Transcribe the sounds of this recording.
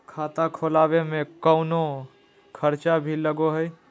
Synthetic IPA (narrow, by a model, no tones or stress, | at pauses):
kʰaːt̪akʰoːlaːwemẽkəʊno | kʰəɾt͡ʃabʱiləɡoɦɛj